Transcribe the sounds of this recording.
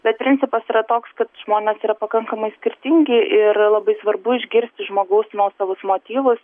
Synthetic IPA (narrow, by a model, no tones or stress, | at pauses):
bʲɛt̪̚pʲɾʲɪnʲt͡s̪ʲɪpɐsiːɾɐt̪oːkskɐt̪ʒ̥moːnʲɛsiːɾɐpɐkɐŋkɐmɐɪsʲkʲɪrʲt̪ʲɪŋʲɡʲɪʔɪrlˠɐbɐɪsʋɐrbʊɪʒʲɡʲɪɾʲsʲt̪ʲɪʒmoːɡɐʊsnuɔsɐʋʊsmoːt̪ʲiːʋʊs